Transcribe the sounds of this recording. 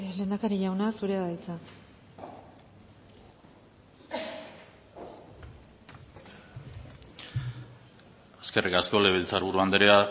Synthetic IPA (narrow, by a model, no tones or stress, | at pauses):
le̞nd̪akaɾiʝawnasuɾe̞aðajt͡sa | aske̞rikasko̞le̞βelt͡saɾβuɾuand̪eɾea